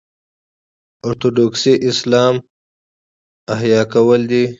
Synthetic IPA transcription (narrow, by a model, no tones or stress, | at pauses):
oɾt̪oɖoːksiʔɪslaːm | ɐɦjaːkɐwɐld̪i